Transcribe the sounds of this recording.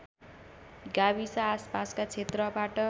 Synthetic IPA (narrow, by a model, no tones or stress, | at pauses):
ɡabisaːspaskat͡sʰet̪rʌbaʈʌ